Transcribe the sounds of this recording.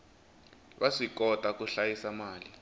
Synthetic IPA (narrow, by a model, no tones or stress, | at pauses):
βaʂikɔtʼakuɬajisamaːli